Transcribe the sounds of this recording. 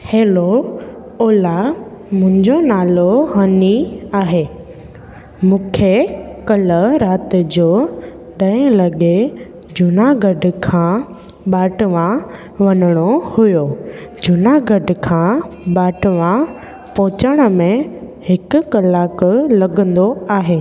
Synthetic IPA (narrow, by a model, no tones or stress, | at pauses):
heːlo | ɔːla | mʊ̃ɦɪ̃ɲd͡ʑonaːloɦɐniaːɦeː | mũːkʰekɐləɾaːt̪ɪd͡ʑoː | ɗɐẽlɐɠe | d͡ʑʊnaɡɐɖkʰã | ɓaːʈʋã | ʋɐnəɽ̃ohʊjod͡ʑʊnaɡɐɖkʰãːɓaːʈʋã | pɔːt͡ɕəɽ̃ə̆mẽ | hɪkʊ̆kɐlːaːklɐɡə̃nd̪oaːɦeː